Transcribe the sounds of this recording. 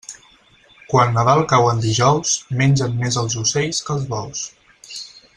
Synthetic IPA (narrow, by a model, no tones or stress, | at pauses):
kwanːəðalˠkawənd̪iʒɔwsmenʲd͡ʒənmezəlˠzuseʎskəlˠzβɔws